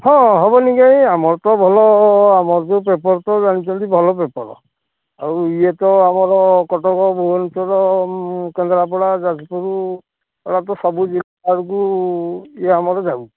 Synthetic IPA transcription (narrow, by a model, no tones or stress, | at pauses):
hɔ̃ɦɔbɔniɡajamɔɹt̪ɔbʱɔlɔamɔɾɔtɔp̬epɔɹɔt̪ɔzanit͡ʃʰɔnt̪ibʱɔlɔp̬epɔɾɔ̰ | a̰ɹuijet̪ɔamɔɾɔkɔʈɔkɔbɔɦɔnɔtɔɾɔkɛnd̪ɾap̬ɔɽazatipɔɾu | ɔɽat̪ɔsɔbud͡ʒilaaɹuk̬u | ijaamɔɾɔzabu